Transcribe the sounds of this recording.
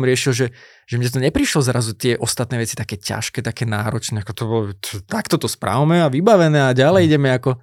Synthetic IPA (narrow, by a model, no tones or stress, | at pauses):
mɾɪɛʃilʒɛ | ʒ̥ɛmɲɛt̪̬ɔɲɛpɾiʃlɔzɾazut̪ɪɛʔɔst̪at̪̚nɛːʋɛt͡sit̪akɛːca̰ʃkɛːt̪akɛːnaːɾɔt͡ʃnɛːakɔt̪ɔbɔlɔt̪t̪akt̪ɔt̪ɔspɾʔa̰ʊmɛaʋibaʋɛnɛːaɟalɛjiɟɛmɛakɔ